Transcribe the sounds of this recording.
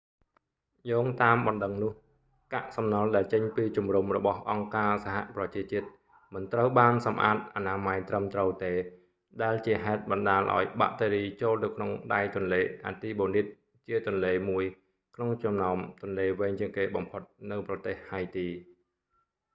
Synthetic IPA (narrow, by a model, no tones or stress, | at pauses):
joːŋt̪aːmɓɑnɗəŋnʊ̆əh | ka̰ʔsɑmnɑlɗaɛlt͡ɕəɲpiːt͡ɕumrumrɔɓɑhʔɑŋkaːsaɦa̰ʔprɑt͡ɕiət͡ɕiət̪̚ | mɨnt̪rəwɓaːnsɑmʔa̰ːt̪̚ʔanaːmajt̪rəmt̪rəwt̪eː | ɗaɛlt͡ɕiəɦaɛt̪̚ɓɑnɗaːlʔa̰ɔjɓa̰ʔt̪eːɾiːt͡ɕoːlt̪ɨwkʰnoŋɗajt̪ʊ̆ənleːʔa̰ːt̪iːɓoːnit̪̚ | t͡ɕiət̪ŭənleːmuəj | kʰnoŋt͡ɕɑmnaɔmt̪ʊ̆ənleːʋɛːɲt͡ɕiəŋkeːɓɑmpʰot̪̚nɨwprɑt̪eːhhajt̪iː